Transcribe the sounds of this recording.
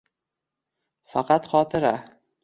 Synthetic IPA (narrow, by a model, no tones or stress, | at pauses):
fɑqɑt̪χɒt̪ʰɪɾa